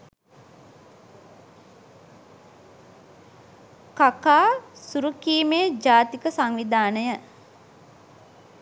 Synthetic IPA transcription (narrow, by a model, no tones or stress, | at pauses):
kakaːsuɾukiːmeːd͡ʒaːt̪ikəsaŋʋid̪aːnəjə